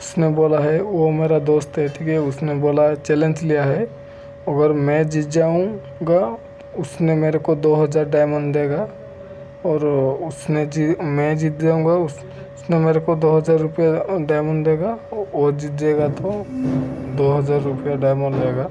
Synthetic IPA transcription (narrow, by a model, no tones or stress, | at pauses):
ʊsneboːlaɦɛʋomeːɾad̪oːst̪ɦɛʈʰikɛʊsneboːlaɦt͡ʃɛːlə̃nd͡ʒlijaɦɛ | mɐɡəɾmɛ̃d͡ʒit̪d͡ʒaːũ | ɡa | ʊsnemeːɾekod̪oːɦɐd͡ʒaːɾɖaːɪmə̃ɳɖd̪eːɡa | ɔːɾʊsned͡ʒimɛ̃d͡ʒit̪̚d͡ʒaːũŋɡaʊ | ʊsnemeːɾekod̪oːɦɐd͡ʒaːɾːʊpijaɖaːɪməɳɖd̪eːɡaɔːɾd͡ʒit̪̚d̪eːɡat̪ʰo | d̪oːɦɐd͡ʒaːɾːʊpijaɖaːɪmə̃ɳɖd̪eːɡa